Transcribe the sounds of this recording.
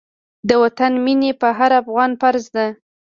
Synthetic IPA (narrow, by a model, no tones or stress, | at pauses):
d̪əwat̪anminepəɦaɾafɣɑnfaɾzd̪a